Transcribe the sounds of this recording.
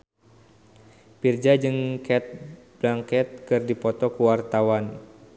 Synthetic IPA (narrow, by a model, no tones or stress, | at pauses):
pird͡ʒad͡ʒɨŋkɛt̪̚b̥laŋkɛt̪̚kɨrdipɔt̪ɔkuwart̪awan